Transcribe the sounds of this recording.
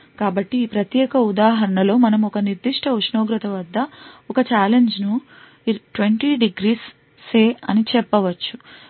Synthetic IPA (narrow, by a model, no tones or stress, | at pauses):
kaːbɐʈːiːpɾɐt̪jɛːkɐud̪aːɦɐɾɐɳɐlo̞ːmɐnɐmɔkɐniɾd̪iʂʈʰɐuʂnoːɡɾɐt̪ɐʋɐd̪ʱːɐɔkɐt͡ʃaːlend͡ʒnu | ʈʋeɳʈiɖiɡɾiːsː | eːɐ̰nit͡ʃɛpːɐʋɐt͡ʃːu